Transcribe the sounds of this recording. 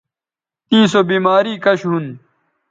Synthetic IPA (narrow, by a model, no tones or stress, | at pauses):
t̪ĩːsoːbiːmaːɾiːkɐɕɦun